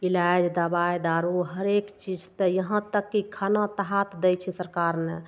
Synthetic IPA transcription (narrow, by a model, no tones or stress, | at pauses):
ilad͡ʒd̪abajd̪aɾuɦəɾekt͡ʃid͡ʒt̪əjəɦãt̪əkːikʰanat̪əɦat̪d̪ɛjt͡ʃʰɛsəɾkaɾne